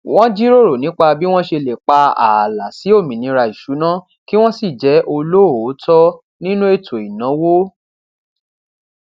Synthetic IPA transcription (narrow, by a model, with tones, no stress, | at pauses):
w̃ɔ̃˦d͡ʒi˦ɾo˦˨ɾo˨nĩ˨˦k͡pa˧bi˦w̃ɔ̃˦ʃe˧le˨k͡pa˧a̰˨la˨si˨˦o˦˨mĩ˨nĩ˨˦ɾa˧i˨ʃu˨˦nã˦ | ki˦w̃ɔ̃˦si˦˨d͡ʒɛ˨˦ʔo˧lo˦˨˦tɔ˦ | nĩ˦nũ˦e˦˨tʰo˨i˨nã˨˦wo˦